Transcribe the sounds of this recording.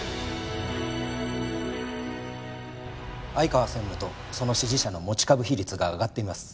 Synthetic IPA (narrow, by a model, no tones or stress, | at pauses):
aikaβasẽ̞mːɯ̟t̪o̞ | so̞no̞ɕiʑiɕano̞mo̞t͡ɕi̥kabɯ̟çiɾʲit͡sɨɡaːɡat̪ːe̞imasɨ̥